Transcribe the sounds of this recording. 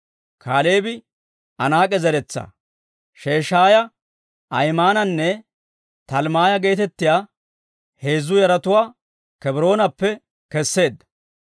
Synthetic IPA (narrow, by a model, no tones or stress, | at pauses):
kʰaːle̞ːbɪ | ʔɐnaːkʼɛzɛɾɛt͡sːɐ̰ | ʃe̞ːʃaːjɐ | ɐjmaːnɐnːɛ | t̪ɐlmaːjɐɡe̞ːt̪ɛt̪ːɪjaː | he̞ːzːʊjɐɾɐt̪ʊwaː | kɛbɾo̞ːnɐpːɛ | kɛsːe̞ːd̪ːɐ